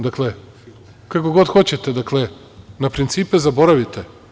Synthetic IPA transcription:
d̪akle | kakoɡo̞d̪xot͡ɕet̪ed̪akle | napɾint̪siːpezabo̞ɾaʋit̪e

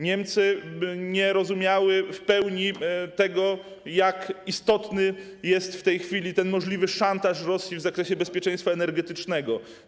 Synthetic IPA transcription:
ɲɛmt̪sɘɲɛɾɔzumʲjawɘfpɛwɲit̪ɛɡɔ | jakist̪ɔt̪nɘ | jɛst̪ft̪ɛjxfʲilʲit̪ɛnmɔʐlʲivɘʂant̪aʂɾɔsʲjivzakɾɛɕɛbɛspʲjɛt͡ʂɛ̃j̃st̪faɛnɛɾɡɛt̪ɘt͡ʂnɛɡɔ

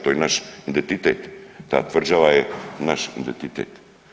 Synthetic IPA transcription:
t̪ojnaʃid̪ɛnt̪it̪ɛt̪ːa̰ːt̪vrd͡ʒavaɛnaʃḭnd̪ɛnt̪it̪ɛ̰t̪

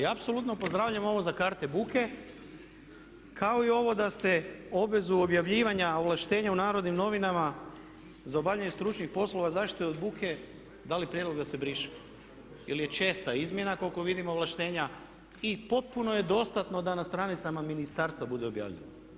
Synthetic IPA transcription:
jaapso̞lˠut̪nopo̞zd̪ɾaːʋʎamo̞ʋo̞zakaɾt̪e̞buke̞ | kʰao̞io̞ʋo̞d̪ast̪e̞o̞bʋe̞zuo̞bjaʋʎiːʋaɲaoʋlˠaʃt̪e̞ːɲaunaːɾo̞d̪nimno̞ʋinama | zao̞bavʎaɲest̪ɾut͡ʃnixpo̞slo̞ʋazaʃt̪it̪oeod̪̚bukʰe̞ | d̪alipɾje̞d̪lˠoɡd̪ase̞bɾiʃi̥ | ilje̞t͡ʃe̞ːst̪aizmje̞nako̞lko̞ʋid̪imo̞ʋlˠaʃt̪e̞ːɲa | ipo̞t̪̚punoje̞d̪o̞st̪at̪no̞d̪anast̪ɾanit̪samaminist̪aɾst̪ʋabud̪eo̞bja̰ːʋʎḛna

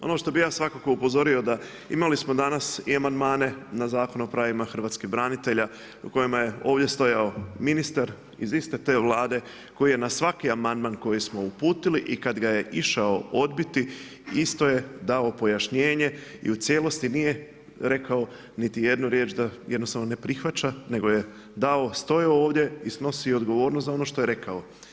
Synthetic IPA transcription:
o̞̰no̞ʃt̪o̞bijaːsʋakako̞upo̞zo̞ɾio̞d̪a | ḭmalismo̞d̪anasiamand̪maːne̞nazaːko̞nopɾaʋimaxr̩ʋaːt̪skibɾanit̪e̞ʎa | uko̞jimaje̞o̞ːʋd̪ʲje̞st̪o̞jao̞minist̪aɾ | izist̪e̞t̪e̞ʋlˠaːd̪e̞ | ko̞jije̞nasʋakiamand̪manko̞jismo̞upuːt̪iliʔikad̪ɡaje̞ʔiʃao̞o̞d̪bit̪i | ist̪o̞je̞d̪aopo̞jaʃɲe̞ːɲe̞ḭut̪sje̞ːlo̞st̪inije̞ | ɾe̞kao̞ | nit̪ije̞d̪nuɾje̞ːt͡ʃd̪ajed̪nost̪aʋnone̞pɾixʋat͡ʃane̞ɡo̞je̞ | d̪ao̞st̪o̞jaooːʋd̪je̞isno̞sio̞d̪ɡo̞ʋo̞ːɾnost̪zao̞no̞ʃt̪o̞je̞ɾe̞kao

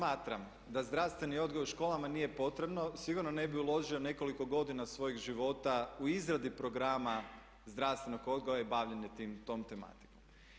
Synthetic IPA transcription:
smaːt̪ɾam | d̪azd̪ɾaʋst̪ʋe̞nio̞d̪ɡojuɾʃko̞ːlˠamanije̞po̞t̪ɾe̞bno̞sʋiɡuɾnone̞biulo̞ʒio̞ne̞ko̞liko̞ɡo̞d̪inasʋo̞jiɣʒiʋo̞t̪auizɾad̪ipɾo̞ɡɾama | zd̪ɾaʋst̪ʋe̞no̞ɡo̞d̪ɡoaibaʋʎeɲet̪imt̪o̞ːmt̪e̞ma̰t̪i̥kom

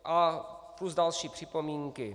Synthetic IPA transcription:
ʔapluzdalʃiːpr̥ipɔmiːŋki

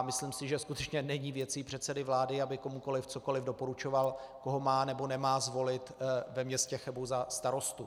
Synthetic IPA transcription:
mɪslimsɪʒɛskut̪ɛt͡ʃɲɛnɛɲivjɛt̪t͡siːpr̝̥ɛt̪sɛdɪvlaːdɪabɪko̞muko̞lɪft͡so̞ko̞lɪvdo̞po̞ɾut͡ʃo̞valko̞ɦo̞maːnɛbo̞nɛmaːzvo̞lɪt̪vɛmɲɛscɛxɛbowzast̪aɾo̞st̪u

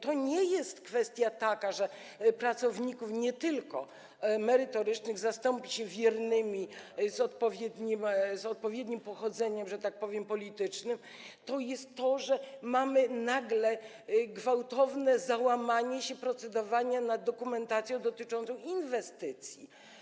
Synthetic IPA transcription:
t̪ɔɲɛjɛst̪kfɛst̪ʲjat̪akaʐɛ | pɾat̪sɔvɲikufɲɛt̪ɘlkɔ | mɛɾɘt̪ɔɾɘt͡ʂnɘɣzast̪ɔmpʲiɕɛvʲjɛɾnɘmʲizɔt̪pɔvʲjɛd̪ɲimzɔt̪̚pɔvʲjed̪ɲimpɔxɔd̪zɛɲɛmʐɛt̪ak̚pɔvʲjɛmpɔlʲit̪ɘt͡ʂnɘm | t̪ɔjɛst̪ːɔʐɛmamɘnaɡlɛ | ɡvawt̪ɔvnɛzawamaɲɛɕɛpɾɔt̪sɛd̪ɔvaɲanad̪ːɔkumɛnt̪at̪sʲjɔ̃w̃d̪ɔt̪ɘt͡ʂɔ̃nt̪sɔ̃w̃invɛst̪ɘt̪sʲjḭ

